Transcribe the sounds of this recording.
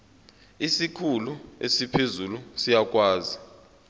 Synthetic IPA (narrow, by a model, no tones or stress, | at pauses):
isikʰuluḛsipʰezulusijak̬ʼwaːzi